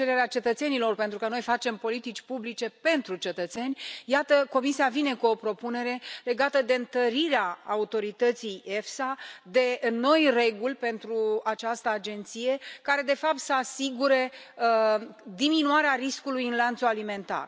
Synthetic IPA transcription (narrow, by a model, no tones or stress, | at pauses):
eɾe̞ɾeat͡ʃe̞t̪ət̪senilo̞rpe̞nt̪ɾukəno̞jfat͡ʃe̞mpo̞lit̪it͡ʃʲpublit͡ʃe̞pe̞nt̪ɾut͡ʃe̞t̪ət̪se̞nʲjat̪əko̞misiavine̞kuo̞pɾo̞pune̞ɾe̞le̞ɡat̪əd̪e̞ɨnt̪əɾiɾeaːut̪o̞ɾit̪ət̪sije̞fsad̪e̞no̞jre̞ɡulʲpe̞nt̪ɾuat͡ʃast̪əad͡ʒe̞nt̪sije̞kaɾe̞d̪e̞fap̚t̪səasiɡuɾe̞ | d̪iminuaɾeariskulujɨnlant̪sualime̞nt̪a̰r